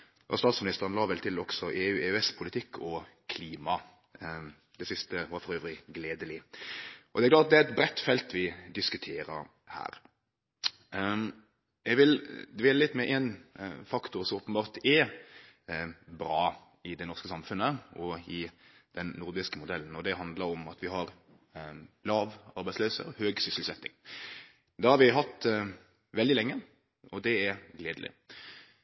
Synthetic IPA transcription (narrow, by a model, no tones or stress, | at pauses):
ɑ̰st̪ɑːt̪smɪnɪst̪əʁənlɑːʋɛlt̪ʰɪlɔɡsɔʔeːʉːeʉɛspʰʊlɪt̪ʰɪkʰːɔkʰliːmɑ | d̪ɛsɪst̪əʋɑɾfɔɾøːʋɾɪɡleːd̪əlɪ | ʔɔd̪ɛæklɑːt̪ɑd̪ɛæɾɛt̪bɾɛt̪ːfɛlt̪ʋɪd̪ɪskʉt̪ʰeːɾəɾ | hæ̰ːɾ | jɛɡʋɪld̪ʋeːləlɪt̪ːmɛʔɛnfɑkt̪ʊɾsɔmoːpənbɑːʁt̪ɛ | bɾɑː | ɪd̪ɛnɔʁɾskəsɑmfʉnːəɔɪd̪̥ɛnːʊɾd̪ɪskəmʊd̪ɛln̩ɔd̪ɛɦɑnd̪ləɾɔmɑt̪ʰʋɪhɑɾ | lɑːʋɑɾbæɪsløːsə̰høːɡsʏsl̩sɛt̪ːɪ̰ŋ | d̪ɑːhɑɾʋɪɦɑt̪ː | ʋɛld̪ɪlɛŋːə | ɔd̪ɛæɾɡleːd̪lʔɪ̰